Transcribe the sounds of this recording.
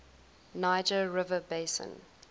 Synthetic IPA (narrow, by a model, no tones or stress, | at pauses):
naɪd͡ʒəɹɪvəbesə̰̃n